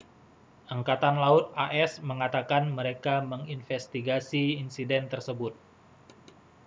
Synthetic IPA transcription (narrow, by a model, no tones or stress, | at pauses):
ʔəŋkat̪anlaʊt̪̚aʔɛsməŋat̪akanməɾekaməŋinfɛst̪iɡasiːnsidɛnt̪ərsəbʊt̪̚